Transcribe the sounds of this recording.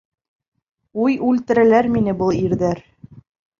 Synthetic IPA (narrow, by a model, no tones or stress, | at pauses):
ujʉlt̪ɘ̆ɾælæɾminɘbɤlˠiɾðæɾ